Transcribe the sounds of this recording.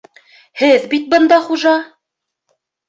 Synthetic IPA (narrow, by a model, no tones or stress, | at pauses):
hɘðbit̪̚bɤ̆nd̪ɑχuʒɑ